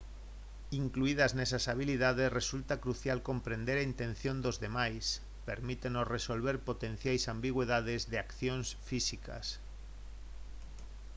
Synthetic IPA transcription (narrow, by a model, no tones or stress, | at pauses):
iŋkluið̞aznesasaβ̞ilið̞að̞esresult̪akɾuθjalkompɾend̪eɾaint̪ẽn̟θjõnd̪ozðemajs | peɾmit̪enosresolβeɾpot̪ẽn̟θjajsambiɣweðað̞ezðeakθjõnsfisika̰s